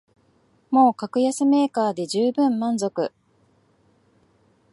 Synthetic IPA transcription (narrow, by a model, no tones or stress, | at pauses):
mo̞ːkakɯ̟jasɨme̞ːkaːd̪e̞ʑɨːbɯ̟̃mːãnzo̞kɯ̟